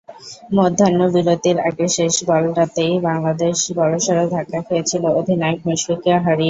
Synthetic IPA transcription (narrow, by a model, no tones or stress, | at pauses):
mɔd̪ʱːanːobiɾot̪iɾaɡeʃeʃbɔlʈat̪ejbaŋlad̪eʃbɔɾoʃaɾod̪ʱakːafoet͡ɕʰilood̪ʱinajk̚moʃɾikaɦaɾi